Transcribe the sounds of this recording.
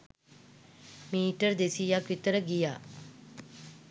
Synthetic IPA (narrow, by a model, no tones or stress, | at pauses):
miːʈəɾd̪esijakʋit̪əɾəɡijaː